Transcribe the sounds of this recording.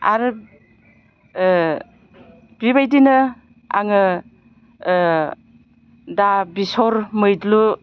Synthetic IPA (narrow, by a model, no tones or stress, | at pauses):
a̰ɾɯ | b̥iβajdinɯ | a̰ŋɯ | dabisɔɾmɯjdlu